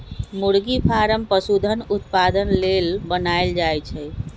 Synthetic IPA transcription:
muɽɡipʰaɾəmpəsud̪ʱənut̪pad̪ənlelbənaeld͡ʒajt͡ʃʰɛ

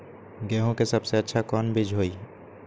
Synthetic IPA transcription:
ɡɛːɦõkesɐbseɐtːʃʰakɔːnbʱɪd͡ʒʱɦoːiː

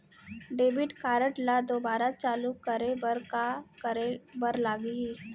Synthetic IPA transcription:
ɖeːbɪʈkaːɾəʈlad̪oːbaːɾat͡ʃaːlukːəɾebəɾkakəɾebɐɾlaːɡiɦiː

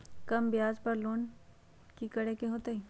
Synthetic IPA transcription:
kɐmbɪjaːd͡ʒpɐɾloːn | kikɐɽekeɦoːt̪eɦiː

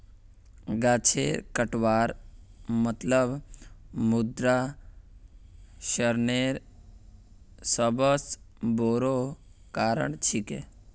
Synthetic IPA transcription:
ɡaːt͡ʃʰḛːɾkəʈʋaːɾmət̪ləb | mud̪ɾa | ʃəɾneːɾ | səbəs | boːɾokaːɾə̰ɳt͡ʃʰike

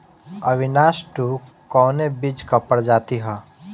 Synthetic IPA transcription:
ə̰ʋɪnaːʃʈu | kɔːnebɪd͡ʒkəpəɽd͡ʒaːt̪iɦɛː

